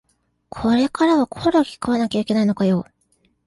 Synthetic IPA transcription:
kʰo̞ɾe̞kaɾaβakʰo̞ɾokʲi̥kaβanakʲaikʲe̞naino̞kajo

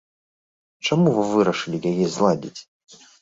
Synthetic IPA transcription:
t͡ʃɐmuvɨvɨɾɐʂɨlʲiɡʲajʲezlˠadʲitʲ

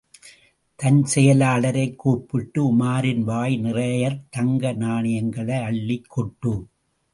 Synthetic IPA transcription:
t̪ɐnsɛjɐlaːɭɐɾɐɪkːuːpːɪʈːɯʊmaːɾɪnʋaːjnɪrɐjɐɾt̪ɐŋɡɐnaːɳɪjɐŋɡɐɭɐɪɐɭːɪkːɔʈːɯm

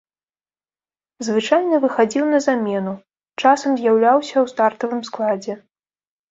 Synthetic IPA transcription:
zvɨt͡ʂajnɐvɨxad͡zʲiwnɐzamʲɛnu | t͡ʂasɐmzʲjawlʲawsʲɐwst̪art̪ɐvɨmsklˠad͡zʲɛ

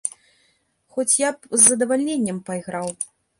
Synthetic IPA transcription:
xɔt͡sʲjapzːɐd̪ɐvalʲnʲenʲːɛmpajɣɾaw

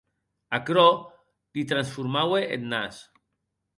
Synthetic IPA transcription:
akɾo | d̪̥it̪ɾansfuɾmaweʔḛnːas

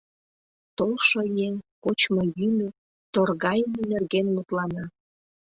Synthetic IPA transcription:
t̪olʃojeŋkot͡ɕmojymø | t̪orɣɑjənnerɣenmut̪lɑnɑ

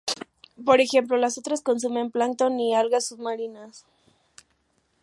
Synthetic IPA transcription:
po̞ɾe̞xe̞mplo̞las̬o̞t̪ɾasko̞ns̬umẽ̞mplant̪o̞nialɣasːuβmaɾinas

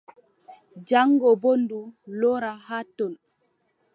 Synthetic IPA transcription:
d͡ʒaŋɡɔbondulɔɾahatːɔn

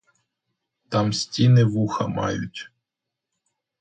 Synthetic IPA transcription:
t̪ɑmsʲtʲinɪʋuxɐ̰mɑ̰jʊ̰tʲ

